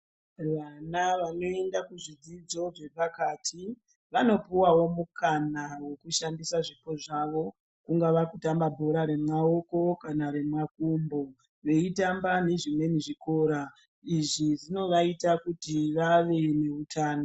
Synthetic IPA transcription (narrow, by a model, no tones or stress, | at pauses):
ʋanaʋano̞e̞ndakuʐid͡zid͡zo̞ʐe̞pakaːtʰi | ʋano̞puwawo̞mukanawe̞kuʃandisaʐipo̞ʐaʋo̞ | kuŋɡaʋakutambabʱo̞ɾaɾe̞mwao̞ko̞kanare̞mwakumbo̞ | ʋe̞itambane̞ʐimwe̞niʐiko̞ːɾa | iʐiʐino̞ʋaitakutiʋaʋe̞ne̞utʰaːno